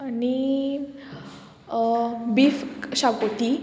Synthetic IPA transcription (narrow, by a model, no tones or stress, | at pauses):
ani | biːfɕakot̪i